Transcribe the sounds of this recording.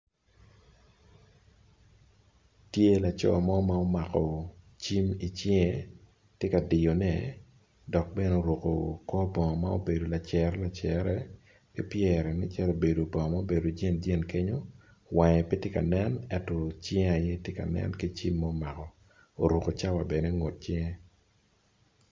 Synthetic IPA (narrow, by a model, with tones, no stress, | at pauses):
tje˦la˨t͡ʃɔ̰˦˨ma˦o˦ma˦o˦ma˨kɔ˨ | t͡ʃi˦mi˨t͡ʃɛ˦ŋɛ˨ | tje˦ka˨dɪ˨jo˨nɛ˦˨ | dɔ˨k̚be˦no˦o˨ɾo˨ko˨kɔ˦bɔ˨ŋɔ˨ma˦o̰˦be˨do˨la˨t͡ʃɛ˨ɾɛ˦la˨t͡ʃɛ˨ɾɛ˦ | ki˦pjɛ˨ɾɛ˨nɪ˦t͡ʃa˦lo˨be˨do˨bɔ̃˨ŋ˨ma˦o˦be˨do˨d͡ʒɛ˦˨nd͡ʒe˦nke˦ɲo˦ | wɛ˨ŋɛ˨pi˦tje˦ka̰˨nɛ˦nɛ˦tɔ˨t͡ʃɛ̃˦ŋa˨je˦tje˦ka̰˨nɛ̰˦nki˦t͡ʃi˦mːɔ˦o˦ma˨kɔ˨ | o˨ɾo˨ko˨t͡ʃa˦wa˨bɛ˨ne˦ŋo˨t̚t͡ʃɛ˦ŋɛ˦